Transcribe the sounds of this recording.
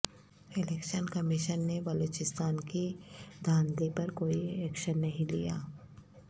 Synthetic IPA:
ɪleːkʃənkɐmɪʃənːebɐloːt͡ʃɪst̪aːnkid̪ʱaːnd̪epɐɾkoːiɛːkʃənːɐɦĩlḭja̰ː

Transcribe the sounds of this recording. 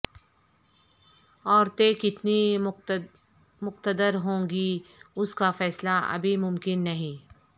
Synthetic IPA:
ɔːɾt̪ẽkɪt̪ni | mʊqt̪əd̪əɾɦõːɡiʊskafɛːslaɐ̰bʱimʊ̃mkɪnːɐɦĩː

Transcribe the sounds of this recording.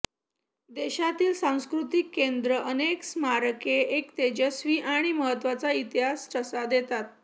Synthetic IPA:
d̪eɕat̪iːlsãw̃skɾut̪ikːend̪ɾəʔəneksmaɾkeʔekt̪ed͡ʑəsʋiːʔaɽ̃iməɦət̪ːʋat͡sait̪iɦasʈəsad̪et̪at̪̚

